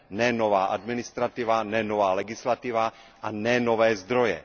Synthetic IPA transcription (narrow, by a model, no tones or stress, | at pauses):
nɛnovaːʔad̪mɪnist̪ɾat̪ivanɛnovaːlɛɡɪslat̪iva | ʔanɛnovɛːzd̪ɾojɛ̰